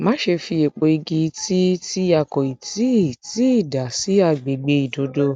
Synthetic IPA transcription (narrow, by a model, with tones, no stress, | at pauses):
mã˨˦ʃe˧fi˧e˨k͡po˨i˧ɡi˧ti˦ti˦a˧˨kɔ˨i˨tʰi˨˦˨ti˦i˦˨da˨si˨˦a˧˨ɡ͡be˨ɡ͡be˧˦i˨do˨˦do˧˦